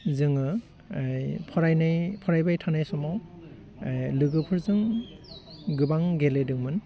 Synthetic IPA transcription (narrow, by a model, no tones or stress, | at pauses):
zɯŋɯ | jpʰɔɾajnajpʰɔɾajbajtʰanajsɔmɔw | jlɯɡɯpʰɯɾzɯŋ | ɡɯbaŋɡeledɯŋmɯn